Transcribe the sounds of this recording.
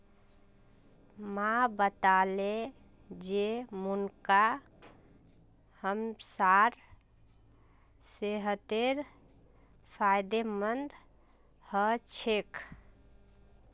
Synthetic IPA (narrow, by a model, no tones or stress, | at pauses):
mabət̪ale | d͡ʒemunka | həmsaɾ | seɦət̪eɾ | pʰajd̪emənd̪ | hət͡ʃʰek